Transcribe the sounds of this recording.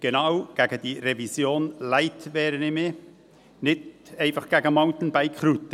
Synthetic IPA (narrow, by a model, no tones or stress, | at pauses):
ɡ̥enɑwɡ̥æːɡ̥əd̥iːɾevisjoːnlæɪtvɛːɾənɪmɪ | nɪtɛɪnfɑχɡ̥ɛːɡəmaʊt̪n̩bæɪkʰχɾut̪ə